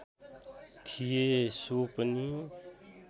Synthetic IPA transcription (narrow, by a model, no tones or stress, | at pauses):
t̪ʰijeːsoːpəniː